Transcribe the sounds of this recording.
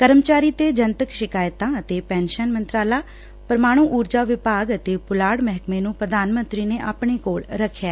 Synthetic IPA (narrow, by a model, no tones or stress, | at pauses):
kəɾəmt͡ʃaːɾiːt̪eːd͡ʒənt̪əkʃɪkaːjt̪ãːət̪eːpɛ̃ːnʃənmənt̪ɾaːlaː | pəɾmaːɽ̃ũːʔuːɾd͡ʒaːʋɪpaːɡət̪eːpʊlaːɽmɛɦkmeːnũːpɾəd̪ʱaːnmə̃nt̪ɾiːneːʔaːpɳ̃eːkoːɭɾəkʰːjaː